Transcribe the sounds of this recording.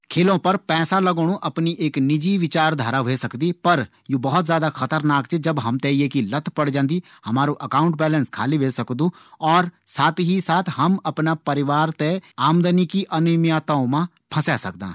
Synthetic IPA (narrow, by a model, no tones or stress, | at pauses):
kʰeːlõpɐɾpɛːsalɐɡoɽ̃ũʔɐpniʔeːknɪd͡ʒiʋɪt͡ʃaːɾd̪ʱaːɾaʋesɐkd̪ipɐɾ | jũbɐɦʊt̪zjaːd̪axɐt̪əɾnaːkt͡ʃed͡ʒɐbɦɐmt̪ejekilɐt̪ʰpɐɽd͡ʒãːnd̪i | hɐmaːɾoʔɐkaːʊ̃ɳʈ̚bɛːlə̃nskʰa̰ːliʋeːsɐkd̪ũɔːɾsaːt̪ʰɦisaːt̪ʰɦɐmɐpnapɐɾɪʋaːɾt̪eaːmd̪ənikiʔɐnʊmjaːt̪aõmã | pʰɐsɛːsɐ̰k̚d̪ã̰ː